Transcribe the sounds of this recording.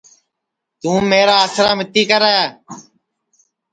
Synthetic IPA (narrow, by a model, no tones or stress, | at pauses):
t̪ũːmeːɾaːaːsʰɾaːmɪt̪iːkəɾaːjaː